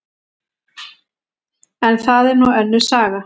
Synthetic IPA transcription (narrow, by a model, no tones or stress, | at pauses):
ɛnθaðɛɾnɔwɛnːʏsaːɣa